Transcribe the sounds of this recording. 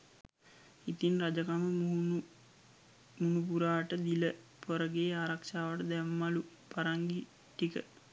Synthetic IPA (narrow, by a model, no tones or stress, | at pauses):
it̪inrad͡ʒakamə | munupuɾaːʈəd̪iləpoɾəɡeːaːɾakʃaːʋəʈəd̪æmːalu | paɾaŋɡi | ʈikə̰